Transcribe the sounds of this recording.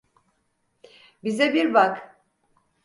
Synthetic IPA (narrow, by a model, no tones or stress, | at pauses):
bizɛbiɾbak